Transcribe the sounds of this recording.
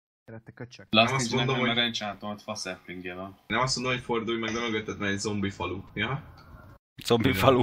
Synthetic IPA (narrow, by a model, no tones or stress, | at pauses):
laɛmɒsmond̪omɦoɾɛnt͡ʃaːt̪omt̪fɒsɛpliŋɡjevɛnnɛmɒst̪ond̪ooɲfo̞rd̪uːjmɛɡnɛmøɡøt̪ːɛt̪nɛɛɟzo̞mbifɒlujɒ | zombifɒlu